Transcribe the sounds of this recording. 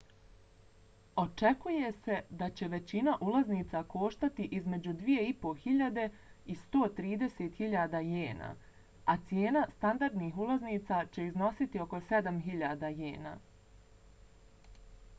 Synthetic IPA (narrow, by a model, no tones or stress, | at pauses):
o̞t͡ʃe̞kuje̞se̞d̪at͡ɕe̞ʋe̞t͡ɕinaʔulˠazniːt̪sako̞ːʃt̪at̪iʔizme̞d͡ʑud̪ʋije̞ipo̞xiʎad̪e̞ | ist̪o̞ːt̪ɾiːd̪e̞seːt̪xiʎaːd̪aːjeːna̰ | at̪sjeːnast̪and̪aɾd̪niːɦulˠazniːt̪saːt͡ɕe̞izno̞sit̪io̞ko̞se̞d̪amɦiʎaːd̪aje̞ːna̰